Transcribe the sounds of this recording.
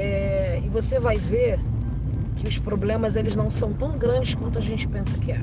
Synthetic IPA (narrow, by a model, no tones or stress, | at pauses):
ɛɪvosevajveɾ | kɪʊspɾoblẽmɐzelɪznɐ̃w̃sɐ̃w̃t̪ɐ̃w̃ɡɾɐ̃d͡ʒɪskwɐ̃nt̪ʊɐʒẽnt͡ʃɪ̥pẽsɐkɪɛ